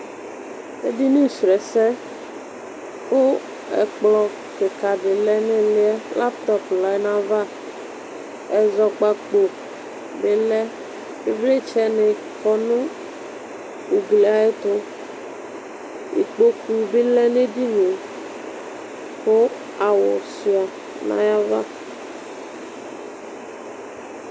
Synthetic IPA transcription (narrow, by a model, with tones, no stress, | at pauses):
ḛ˦di˦ni˦˨sɾɛ˨sɛ˦ | xo˦ | ɛ̰˨k͡plɔ˨ | ke˨ka˨dɪ˨lɛ˦ne˦lɪ˦ɛ˦la˦p̚t̪ɔ˦pla˨jna˨va˦ | ɛ˨zɔ˨k͡pa˨k͡po˨ | be˦lɛ˦ | e˦ble˦t͡ʃɛ˦nɪ˨ | kɔ˦nõ˦ | u˨ɡle˨a˨e˦t̪o˦ | ḭ˨k͡po˦ku˨be˦lɛ˦ne˦di˦ne˨ | xo˦ | a˨wɔ̰˨si˨˦a˨ | nã̰˦ja˦va˦